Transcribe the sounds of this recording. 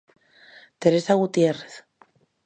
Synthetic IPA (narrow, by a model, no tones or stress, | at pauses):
t̪eɾesaɣut̪jereθ